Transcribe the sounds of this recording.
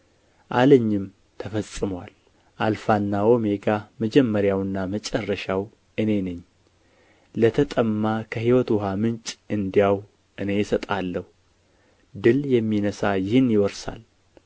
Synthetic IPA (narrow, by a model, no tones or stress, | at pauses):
ʔaləɲːɪm | t̪ʰəfəsʼɨmwal | ʔalfanːao̞me̞ɡaməd͡ʒɛmːəɾjawɨnːamət͡ʃʼərːəʃaw | ɨne̞nɨɲː | lət̪ʰət̪ʼəmːakʰəhiwɔt̪wɔɦamɨnt͡ʃʼʔɨnd̪ijaw | ʔɨne̞jɪsət̪ʼalːəhu | d̪ɨljɛmːinəsajɪhɨnjɪwɔɾsa̰l